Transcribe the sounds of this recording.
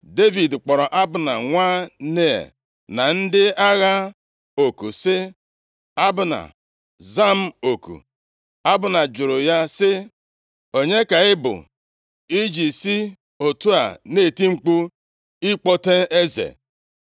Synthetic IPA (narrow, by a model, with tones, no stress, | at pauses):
de˦vi˨dk͡pɔ˨ɾɔ˨ʔa˦bʊ˨na˨ŋʷaː˦ne˦˨ḛ˨ | na˨n̩˦dɪ˦a˦ɣa˦ | o˨kṵ˨sɪ˦ | a˦bʊ˨na̰˨ | za˦m̩˨o˨kṵ˨ | a˦bʊ˨na˨d͡ʒʊ˨ɾʊ˨ja˦sɪ˦ | o˦ɲe˦ka˨ɪ˦bʊ̰˨ | i˦d͡ʒi˨si˦ | o˨tu˦a̰˨ne˦˨ti˦ŋ͡m̩˦k͡pu˦ | i˦k͡po˦te˦ʔe˦zḛ˨